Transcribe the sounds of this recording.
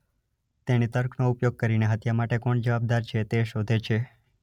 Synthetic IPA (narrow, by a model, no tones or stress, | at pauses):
t̪enit̪əɾkʰnoupjoɡ̚kəɾineɦət̪jamaʈekɔɳd͡ʒəʋab̚d̪aɾt͡ʃʰet̪eʃod̪ʱet͡ʃʰe